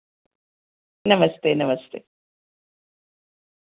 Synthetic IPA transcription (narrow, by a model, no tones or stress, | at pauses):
nɐmɐst̪eːnɐmɐst̪ḛː